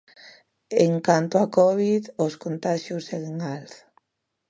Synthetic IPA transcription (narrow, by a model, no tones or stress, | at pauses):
eŋkant̪oakɔβiðoskont̪aʃjosɛðeŋals